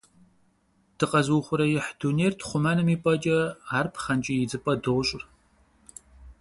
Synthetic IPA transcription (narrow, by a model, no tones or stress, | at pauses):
d̥ɨqɐzuːχʷʊɾɐjɪħduneːrtʰχʷʊmɐnɨmiːpʼɐt͡ʃʼɐaːrpʰχɐnt͡ʃʼijɪd͡zɨpʼɐdɨʁɕʼɪr